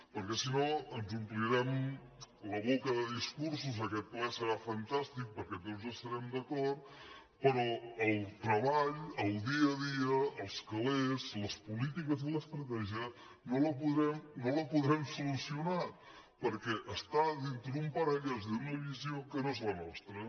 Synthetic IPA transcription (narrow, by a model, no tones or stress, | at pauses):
pəɾkɛsinoənzumpliɾɛm | ləβokəðəðiskuɾs̬uzəkɛt̪̚plɛsəɾafənt̪ast̪ik̚pəɾkɛt̪ozəst̪əɾɛmd̪əkɔɾt̪ | pəɾɔəlˠt̪ɾəβaʎəlˠd̪iəðiəːlˠskəlezləspulit̪ikəzðələst̪ɾət̪ɛʒiə | noləpuðɾɛmnoləpuðɾɛmsulusiuna | pəɾkɛʔəst̪aðint̪ɾəðumpəɾəʎɛzd̪unəβiziokənoezlənɔst̪ɾə